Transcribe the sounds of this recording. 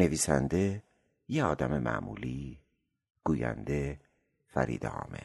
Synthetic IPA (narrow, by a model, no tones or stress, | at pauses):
ne̞viːsænd̪e | jeɒːd̪æmemʔæ̰ʔmuːli | ɡ̥uːjæ̰nd̪e̞ | fæɾḭːd̪eɒːme